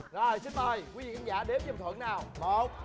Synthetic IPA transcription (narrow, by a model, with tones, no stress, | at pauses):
zo˨˩jsi˨˧˦nməː˨˩jki˨˦vḭ˧˨˩kʰaː˧˦ŋza̰ː˧˩ɗe˨˦mɲə˨˧˨ŋ͡mt̪ʰə̰˧˦nnaː˨˩wmo˨˩t̚